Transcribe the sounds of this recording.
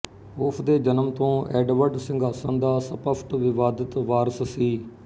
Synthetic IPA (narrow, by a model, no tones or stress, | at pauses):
ʊpʰd̪eːd͡ʒənəmt̪õːɛːɖʋəɖsɪ̃ŋɡaːsə̃nd̪aːsəpəpʰʈʋɪʋaːd̪ət̪ʋaːɾəssiː